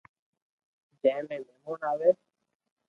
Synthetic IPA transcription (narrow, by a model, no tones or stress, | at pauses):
d͡ʒɛ̃ɪ̃mẽːmɛːmuːnaːʋeː